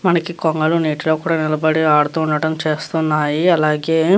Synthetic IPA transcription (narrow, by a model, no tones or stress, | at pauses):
mɐnɐkikoŋɡɐluniːʈiloːkuːɽaːnilɐbɐɽiaːɽut̪uːɳɖɐʈɐmt͡ʃe̞ːst̪unːaːjiɐlaːɡe̞ː